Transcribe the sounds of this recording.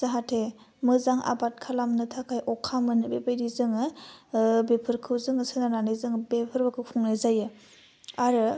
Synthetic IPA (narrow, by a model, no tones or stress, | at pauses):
z̥aɦatʰe | mɯzaŋʔa̰bat̚kʰalamnɯtʰakʰajʔɔkʰːamɯnɯbebajɾizɯŋɯ | bepʰɯɾkʰɯwzɯŋɯsɯnananɯzɯŋbepʰɯɾbakʰɯkʰuŋnazajɯ | aɾɯ